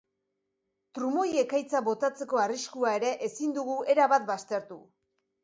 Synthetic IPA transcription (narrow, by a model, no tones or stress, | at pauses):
t̪ɾumo̞je̞kajt͡saβo̞t̪at͡se̞ko̞ariskuae̞ɾe̞ʔesind̪uɣue̞ɾaβat̪̚bast̪e̞ɾt̪u